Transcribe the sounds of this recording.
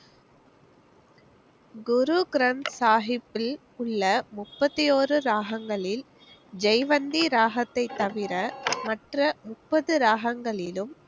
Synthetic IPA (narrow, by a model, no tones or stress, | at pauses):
ɡʊɾuɡɪɾɐɳsaːɣɪpːɪl | ʊɭːɐmʊpːɐt̪ːijoːrɯɾaːɣɐŋɡɐɭɪl | d͡ʒɛɪʋɐnd̪iɾaːɣɐt̪ːɐɪt̪ːɐʋɪɾɐmɐʈrɐmʊpːɐðɯɾaːɣɐŋɡɐɭɪlɯm